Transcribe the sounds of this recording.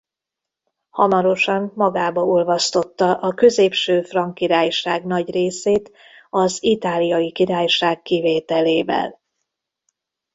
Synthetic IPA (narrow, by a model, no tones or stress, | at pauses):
hɒmɒɾo̞ʃɒmːɒɡaːbɒulvɒst̪o̞t̪ːɒʔɒkø̞zeːpʃøːfrɒŋkiɾaːjʃaːɡnɒɟreːseːt̪ | ɒzit̪aːlijɒjikiɾaːjʃaːkːiveːt̪ɛleːvɛ̰l